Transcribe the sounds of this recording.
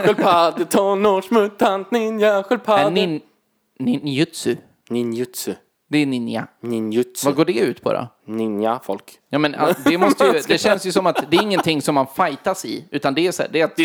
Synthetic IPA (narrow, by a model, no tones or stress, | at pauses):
ɛlpʰad̪ət̪ʰɔnɔʂmɵt̪ʰːant̪nɪnjaɧɛlpʰaɛɪn | nɪnjʉt̪sʉ | nɪnjɵt̪sʉ | d̪ɛːnɪnja̰nɪnjʉt̪svaɡoːɖɛʉ̟ːt̪pʰɔ̰ɾɔ̰ | nɪnjafɔlk | jɑːmɛndɛmɔst̪əjəd̪ɛɕɛnsjɵsɔmat̪d̪ɛːɾɪŋːənt̪ʰɪŋːsɔmːanfajt̪aʂɪ̰ʉ̟ːt̪and̪ɛæsæ̰ːɖɛɾat̪̚